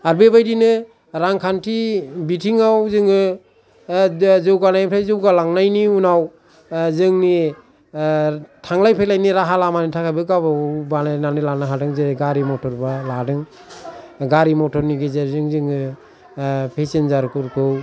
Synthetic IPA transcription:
aɾbebajdinɯ | ɾaŋkʰantʰibitʰiŋawzɯŋɯ | zɯwɡanajpʰɾʰajzɯwɡalaŋnajniunaw | zɯŋni | tʰaŋlajpʰelajniɾaɦalamanitʰakʰajbɯɡababanananɯlanaɦadɯŋzeɡaɾimɔtʰɔɾbaladɯŋ | ɡaɾimɔtʰɔɾniɡezeɾzɯŋzɯŋɯ | pʰesenzaɾkʰɯɾkʰɯw

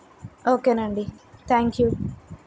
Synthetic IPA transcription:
oːkːenaɳɖit̪ʰaːŋkju

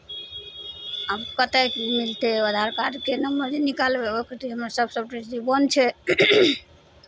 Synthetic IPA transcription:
abkət̪akmilt̪eəd̪ʱaɾkad͡ʒkenəmbəɾd͡ʒenikalbeokəɾt̪iɦəmɾasəbsəbʈiʈd͡ʒibənt͡ʃʰɛ

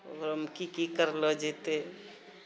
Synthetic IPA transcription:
o̰ɡəɾəmkikikəɾləd͡ʒet̪e

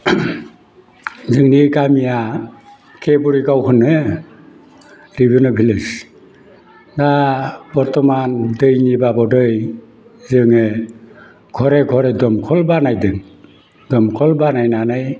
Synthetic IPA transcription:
zɯŋnikamija | kʰebuɾiɡawkʰɯnɯ | ɾibɯnɔbʱilɯs | dabɔɾtɔmandɯjnibabɔdɯj | zɯŋe | ɡʰɔɾeɡʰʱɔɾedɔmkʰɔlbanajdɯŋ | dɔmkʰɔlbanajnanaj

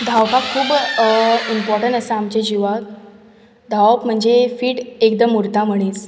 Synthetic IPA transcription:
d̪ʱawkakkʰːuːb | impɔɾʈəɳʈəsaamt͡ɕed͡ʑiʋak̚ | d̪ʱaʋpm̤əɳd͡zefiːʈek̚d̪əmuɾt̪am̤əɽ̃it͡s

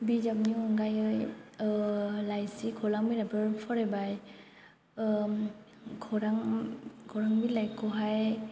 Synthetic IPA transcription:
bid͡ʒab̚niuŋɡajɯj | lajsikʰɔlaŋminapɯɹpʰɔɹɛbaj | ɡʰɔɾaŋɡʰɔɾaŋbilajkɔɦaj

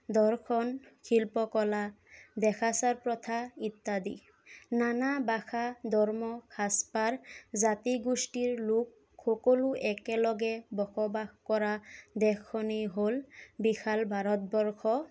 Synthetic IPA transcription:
d̪ɔɹkʰɔnkʰilpɔkɔla | d̪ɛkʰasaɹpɹɔt̪ʰait̪ːad̪ḭ | nanabaxʰad̪ʱɔɹmɔkʰaspaɹzat̪iɡusʈiɹlukː | ɔkɔluʔɛkɛlɔɡɛbɔxɔbaxkɔɹad̪ɛkʰːɔnejɦolbixʰalbʱaɹɔt̪̚bɔɹkʰɔ

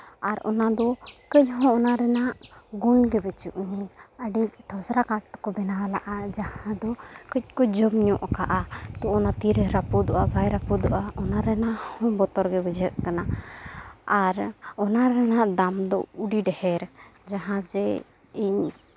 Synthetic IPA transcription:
aɾɔ̰nad̪ɔkəcɦɔ̃ːnaɾɛnaʔɡunɡɛbɛt͡ʃuʔɲiəɖic̚t̪ʰɔsɾakaʈ̚t̪kɔbɛnalaʔad͡ʒahãd̪ɔkəc̚ˀkɔd͡ʒɔmɲɔʔkaʔat̪ɔʔɔnat̪iɾəɾapud̪ɔʔabajɾapud̪ɔʔaʔɔnaɾɛnaʔhɔ̃bɔt̪ɔɾɡɛbɛd͡ʒət̪̚kana | aɾɔnaɾɛnaʔd̪amd̪ɔuɖiɖɛhɛɾd͡ʒaɦãd͡ʒɛ | iɲ

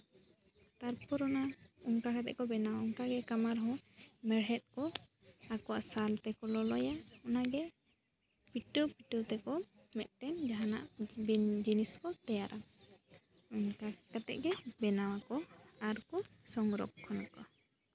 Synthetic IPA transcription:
t̪aɾpʰɔɾɔnauŋkakat̪ɛ̰ʔkɔbɛnawaɔŋkaɡɛkamaɾɦɔmɛɽɦɛt̪̚kɔ | akɔwaʔsalt̪ɛkɔlɔlɔjaɔnaɡɛ | piʈupiʈut̪ɛkɔ | mɛt̪̚ˀʈɛnd͡ʒaɦana̰ʔbd͡ʒiniskɔt̪ɛjaɾʔa | uŋkakat̪ɛ̰ʔɡɛbɛnawakɔaɾkɔ | sɔŋɾɔ̰k̚kʰːɔnakɔ

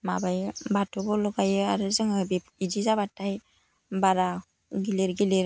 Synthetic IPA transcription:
mabajbatʰɔbɔlɔɡajɯaɾɯzaŋabi | id͡ʒizaβataj | baɾa | ɡileɾɡileɾ

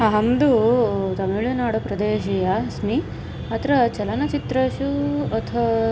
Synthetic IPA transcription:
ɐɦɐmd̪ut̪ɐmiɭjunaːɽupɾɐd̪eːʃijɐsmi | ɐt̪ɾɐt͡ʃɐlɐnɐt͡ʃit̪ɾɐʃuɐt̪ʰɐ

